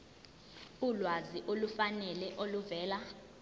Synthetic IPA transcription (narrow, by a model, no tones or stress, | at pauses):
ulwaziʔolufanɛlɛʔoluvɛːla